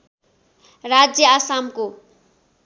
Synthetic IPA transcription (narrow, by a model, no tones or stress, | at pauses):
rad͡zjʌasamko